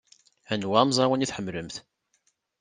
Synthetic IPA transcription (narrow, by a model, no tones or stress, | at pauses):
ænwæmzˤɑwæniθħəmːləmθ